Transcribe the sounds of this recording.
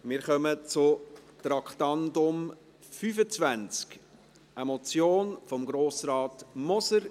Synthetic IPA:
mɪːɾχœmət͡sʊt̪ɾɑkχtɑndʊm | fyːfət͡svænt͡sk | ʔɛmɔt͡sjoːnfɔmɡɾoːsɾɑːtmɔsəɾ

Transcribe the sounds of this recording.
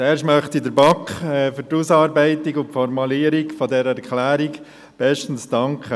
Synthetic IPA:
ɛːɾʃmœχt̪idəɾbɑkχɛfʏɾtusɑːɾbɛɪtikʊntfɔɾmɑliːəɾikfɔdɛɾəɛɾkʰlæːɾik | b̥ɛʃtn̩sd̥ɑŋkχə

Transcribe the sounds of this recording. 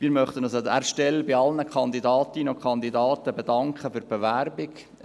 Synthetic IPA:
miːɾmœχt̪ənɔsæ̰ːɾʃtɛlbɪɑlnəkʰχɑnd̪idɑːtinokʰχɑnd̪idɑːt̪əbedɑŋkχəfʏɾb̥eʋæɾbɪɡ

